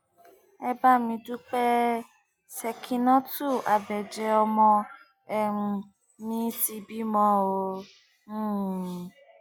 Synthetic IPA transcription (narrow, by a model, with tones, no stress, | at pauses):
ɛ˦ba˦mĩ˧du˦k͡pɛ˦ | sɛ˧kʰi˧nɔ̃˦tu˦˨a˨bɛ˨d͡ʒɛ˧ɔ˧mɔ̃˧ | ɛ̃˨˧ | mĩ˦ti˧bi˦mɔ̃˧˦õ˧˦˨